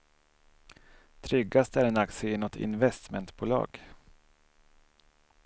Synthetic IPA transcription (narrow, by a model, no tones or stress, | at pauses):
t̪ʰɾʏɡast̪æɾɛnakt̪səɪnɔt̪ʰɪ̰nvɛst̪mɛnt̪buːlɑ̰ːɡ̥